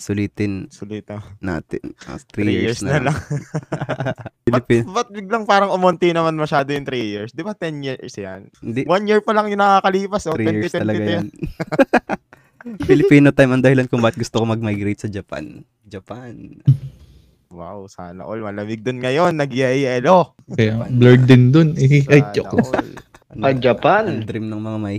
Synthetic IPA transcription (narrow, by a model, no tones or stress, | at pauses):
sʊliːt̪ɪnsʊliːt̪ɐːa̰ːt̪ɪnʔo̰t̪ɾijɹsnnɐlaŋ | lɪpibɐt̪̚bɪɡ̚lɐŋpaːɾɐŋʊmont̪inɐmanmɐʃaːd̪ojʊŋt̪ɾijiɹsd̪ɪbat̪ɛnjiɹsjanhɪnd̪iwanjiɹpɐlɐŋjʊnɐkakɐliːpɐsʔot̪ɾiɛɹɪt̪ɛɐlɐɡajn | fɪlɪpiːnot̪ajmɐnd̪ɐhɪlɐnkʊŋbaːkɪt̪̚ɡʊst̪okomɐɡ̚majɡɾejt̪sɐd͡ʒɐpa̰n | d͡ʒɐpan | wa̰wsa̰ːnɐ̰ʔolmɐlɐmɪɡ̚d̪ʊnŋɐjonːɐɡjaʔiʔɛlo | kɐjablɛɹd̪̚d̪ɪnd̪onɪʔɐjt͡ʃokl | ɐd͡ʒɐpand̪ɾimnɐŋmɐŋamɐʔi